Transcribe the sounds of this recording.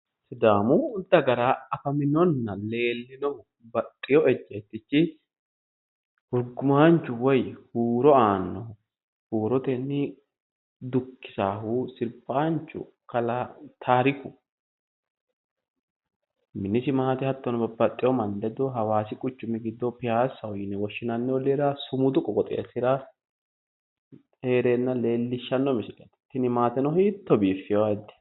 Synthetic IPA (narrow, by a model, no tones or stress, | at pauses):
sɪd̪aːmuʊnt̪ːɐɡɐɾaːɐfɐmɪnɔnːɐle̞ːlːɪnɔ | bɐt̪ʼːɪjɔɛd͡ʒːɛt̪ːɪt͡ʃːɪ | hʊɾɡʊmaːnt͡ʃːʊwɔjhuːɾɔaːnːɔ | huːɾɔt̪ɛnːɪ | d̪ʊkːɪ̥saːhuːsɪɾbaːnt͡ʃːʊ̰ | kɐlat̪ʰaːɾɪkʊ | mɪnːɪsɪmaːt̪ɪhɐt̪ːɔnɔbɐbːɐt̪ʼːɪjɔmɐnd̪ɛd̪ɔɦɐwaːsɪkʼʊt͡ʃːʊmːɪɡɪd̪ːɔpɪhaːsːɐɔjɪnɛwɔʃːɪnɐnːɛwɔleɾɐsʊmʊd̪ʊkʼɔkʼɔt̪ʼḛːsɪɾɐ | heːɾeːnːɐle̞ːlːɪʃːɐnːɔmɪsɪkʼɛt̪ɛ̥t̪ːɪnɪmaːt̪ɛnɔhiːt̪ːɔbiːfːɪjɔwad̪ɛ̥